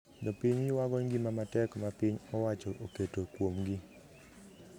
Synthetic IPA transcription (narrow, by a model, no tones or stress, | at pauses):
d̪ɔpɪɲɡɪwaɡɔŋɡimamatɛkmapiɲɔwat͡ʃɔʔoketokwomɡi